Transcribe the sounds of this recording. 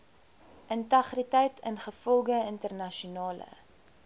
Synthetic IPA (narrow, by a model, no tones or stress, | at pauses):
ʔəntɐχritɛjtʰə̰nχəfɔlˠɡəəntərnɐʃunɑːlə̰